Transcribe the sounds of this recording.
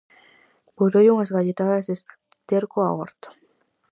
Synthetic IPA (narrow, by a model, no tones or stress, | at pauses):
poɾojuŋazɣaʎet̪aðases | t̪eɾkoa̰o̰ɾt̪o̥